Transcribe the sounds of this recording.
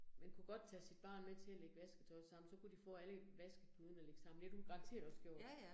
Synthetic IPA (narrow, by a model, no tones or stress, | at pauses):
menkʰuɡ̥ɒ̽d̥̚t͡sʰæsid̥̚b̥ɑ̰̈ːnmet͡sʰe̝æleɡ̥əʋæsɡ̥ət͡sʰɒ̽ɪsɑ̈m̰n̩sɒ̽kud̥ifɔ̰̽ːæləʋæsɡ̥əb̥ʰuðˠn̩æle̝ɡ̥əsɑ̈m̰n̩d̥ed̥uɡ̥ɑ̈ŋt͡sʰe̝̰ɐɾ̥ɒ̽sɡ̥jo̝ɐ̰d̥